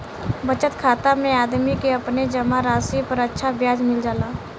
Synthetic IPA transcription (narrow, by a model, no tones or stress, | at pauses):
bət͡ʃət̪kʰaːt̪amẽaːd̪mikeɐpned͡ʒɐmaɾaːsipəɾətːʃʰabjaːd͡ʒmɪld͡ʒaːlaː